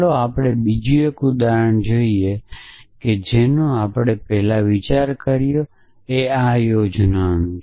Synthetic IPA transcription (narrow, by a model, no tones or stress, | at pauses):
loapɽ̃ebid͡ʒuekũd̪aɾəɳd͡ʒoieked͡ʒenõapɽ̃epɛɦlaʋit͡ʃaɾkəɾjo | eajod͡ʒnan